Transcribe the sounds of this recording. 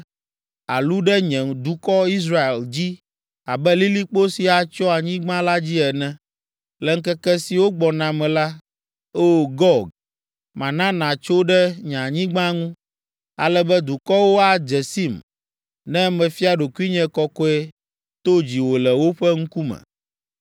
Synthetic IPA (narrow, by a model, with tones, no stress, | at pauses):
a̰˨lu˦ɖɛ˦ɲɛ̃˨d̪u˨kɔ˦i˦sɾa˦e˨ld͡ʑi˦ | a˨bɛ˦li˦li˦k͡po˦si˨a˨t͡ʃɔ˦a˨ɲĩ˦ɡ͡bã˦la˦d͡ʑi˦ɛ˨nɛ̃˦ | lɛ˨ŋ̩˦kɛ˦kɛ˦si˨wo˦ɡ͡bɔ˨nã˨mɛ̃˨la˦ | o˦˨ɡɔ˦˨ɡ | mã˨nã˦nã˨t͡ʃo˦ɖɛ˦ɲã˨ɲĩ˦ɡ͡bã˦ŋũ˦ | a̰˨lɛ˦bɛ˦d̪u˨kɔ˦wo˦a˨d͡ʒɛ˨si˦m | nɛ̃˦mɛ̃˨fi˦a˦ɖo˨ku˦i˦ɲɛ̃˦kɔ˦kɔ˦ɛ˦ | t̪o˦d͡ʑi˨wo˨lɛ˨wo˦ɸɛ˦ŋ̩˦ku˦mɛ̰̃˨